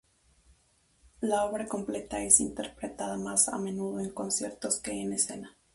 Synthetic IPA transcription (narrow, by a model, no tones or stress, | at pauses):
lao̞βɾako̞mple̞t̪ae̞sint̪e̞ɾpɾe̞t̪aðamasa̰mẽ̞nuðo̞e̞ŋko̞nsje̞ɾt̪o̞ske̞ːne̞se̞na